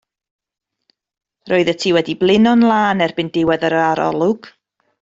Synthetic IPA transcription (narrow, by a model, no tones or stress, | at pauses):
roːɨðətʰiːwɛdiblˠɪnɔnlˠaːnɛrbɪndɪwɛðəɾəaɾɔ̰lˠʊɡ̥